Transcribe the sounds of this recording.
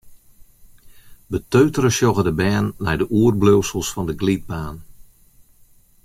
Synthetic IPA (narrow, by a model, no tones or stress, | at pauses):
bətøːɥtərəsjɔɣədəbɛːnːɛ̰jdəʔuərbløwsəlˠsfɔndəɡlid̚baːn